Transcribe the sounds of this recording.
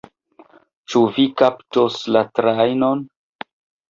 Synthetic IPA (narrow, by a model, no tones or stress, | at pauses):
t͡ʃuvikaptoslatɾajnon